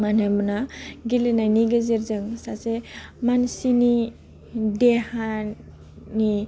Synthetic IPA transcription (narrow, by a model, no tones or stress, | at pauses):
manemunaɡilenajniɡəziɾd͡ʒəŋsat͡semansini | d̪eha | ni